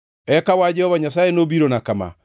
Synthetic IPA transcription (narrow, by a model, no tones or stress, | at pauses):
ɛkawad͡ʒɛhɔvaɲasaenobiɾonakama̰